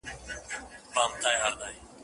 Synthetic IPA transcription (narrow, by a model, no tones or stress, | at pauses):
baːmt̪ʰaːjɦaːɾd̪aːiː